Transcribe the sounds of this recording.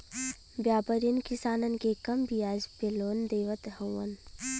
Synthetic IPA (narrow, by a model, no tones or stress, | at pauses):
bjaːpəɾinkɪsaːnənkekɐmbʱijaːd͡ʒbeloːnd̪eːʋət̪ɦɐwən